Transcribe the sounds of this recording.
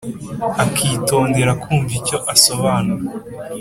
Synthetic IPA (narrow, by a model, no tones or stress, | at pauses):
akʰiːto̞ːnde̞ɾakʰuːɱvico̞ʔaso̞βaːnuɾa